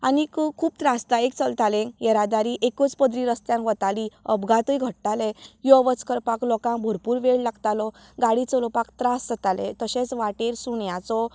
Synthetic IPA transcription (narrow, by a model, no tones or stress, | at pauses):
anikkʰuːp̚t̪ɾast̪aik̚t͡səlt̪alẽŋkjɛɾad̪aɾiʔekət͡spəd̪ɾiɾəst̪jãŋkʋət̪aliəbɡat̪ujɡʱəɽt̪alɛjɔʋət͡skəɾpaklɔkãŋbʱɔɾpuːɾʋeɭlaɡt̪alɔ | ɡaɽit͡sɔlɔpakt̪ɾasd͡zət̪alɛ̰t̪əɕẽt͡sʋaʈeɾsuɳjat͡sɔ